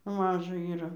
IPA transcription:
ˈmɑːʒɐ iːˈrɐ

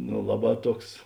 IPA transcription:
noː ˈlˠɑːˌbɑː ˈtuɔks

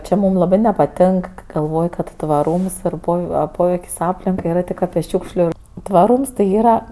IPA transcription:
ˈt͡ʃʲɪ ˈmuːm lˠɐˈbɜ nʲɛpɐˈtʲeːŋk kɜ ɡɐlˠˈʋoːj kɐt tʋɐˈruːms iːr ˈpoːw ɐ ˈpoːʋʲɛɪkʲsʲ ˈɑːpʲlʲɪŋkɐɪ iːˈrɐ ˈtʲɪk ˈɑːpʲɪ ˈʃʲuːkʃʲlʲʊ tʋɐˈruːms tɐɪ ˈiːrɐ

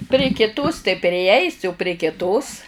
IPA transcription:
pʲrʲɪ kʲɪˈtoːs tɐɪ pʲrʲɪˈɛɪsʲɪ ʊ pʲrʲiɛ kʲɪˈtoːs

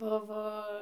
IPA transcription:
ˈbʊʋoː

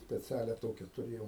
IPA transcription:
sʲpʲɛˈt͡sʲæːlʲɛ ˈtoːkʲɛ tʊˈrʲeːjoːm

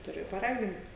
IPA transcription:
tʊˈrʲɪ pɐˈrɑːɡʲɪnt

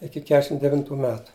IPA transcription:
ˈɪkʲɪ ˈkʲæːʃʲɪm dʲɛˈʋʲɪntʊ ˈmʲæːtʊ

